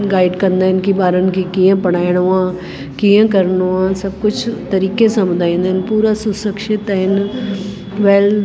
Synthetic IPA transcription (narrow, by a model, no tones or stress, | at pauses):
ɡaːɪɖkəɾnd̪aːɦɪnkibaːɾənkikijãpəɽ̃aːɪɽ̃oãː | kiãkəɾnoãsɐb̚kʊt͡ʃʰt̪ɐɾiːkesɐ̃md̪ʱaːĩːnd̪ɦɪnpuːɾasʊsəkʃɪt̪ɦɪn | ʋɛːl